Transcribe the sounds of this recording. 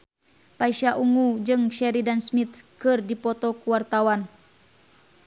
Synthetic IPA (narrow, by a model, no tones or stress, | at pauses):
paiʃaʔuŋud͡ʒɨŋʃɛɾidansmit̪kɨrdipɔt̪ɔkuwart̪awan